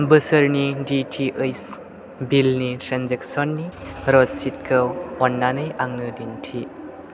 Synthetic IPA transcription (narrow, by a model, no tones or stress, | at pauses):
bəsəɾniditʰiʔejs | bilnitɾanzek̚sɔnːiɾɔsit̚kʰəɔnːanɯjʔaŋnɯdintʰi